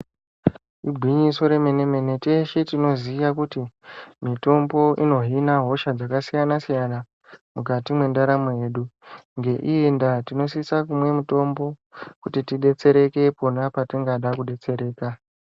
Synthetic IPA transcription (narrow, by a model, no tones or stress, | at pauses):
ibʱwiɲiso̞ɾe̞me̞ne̞me̞ne̞te̞ʃetino̞ziʋakutimito̞mbo̞ʔino̞ɦinaɦo̞ʃad͡zakasijanasijana | mukatimwe̞ndaɾamoje̞ːɗuŋɡe̞ʔiendatino̞s̬iisakumwe̞muto̞mbo̞kutitiɗe̞t͡se̞ɾe̞ke̞po̞napatiŋɡaɗakuɗe̞t͡se̞ɾe̞ːka